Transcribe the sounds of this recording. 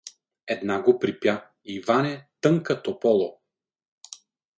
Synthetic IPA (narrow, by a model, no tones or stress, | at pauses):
ɛd̪naɡopɾipja | ivanɛt̪ɤŋkət̪opɔlˠo